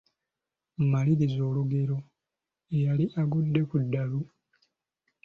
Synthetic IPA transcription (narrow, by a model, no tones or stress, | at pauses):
mmaliɾizo̞ːluɡe̞ɾo̞ | ejaliʔaɡudːe̞kudːalu